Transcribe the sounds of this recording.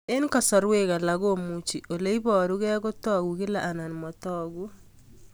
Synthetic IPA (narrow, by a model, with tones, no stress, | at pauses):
e˦nkɔ˨sɔ˨ɾwe˦ka˨la˨ɣo˦mu˦t͡ʃi˨ʔo˨le˦i˦bɔ˨ɾu˦ɣɛ˦ko˦tɔ˦ɡu˨kɪ˦la˨ʔa˨na˨nmɔ˨tɔ˦ɡu˦